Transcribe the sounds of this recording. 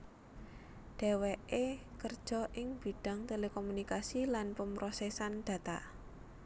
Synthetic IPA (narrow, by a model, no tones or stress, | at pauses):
ɖ̥e̤weʔekərd̥ʒ̥ɔ̤ʔɪŋb̥i̤ɖ̥a̤ŋt̪elekomunikasilanpəmpɾosɛsanɖ̥ä̤t̪aʔ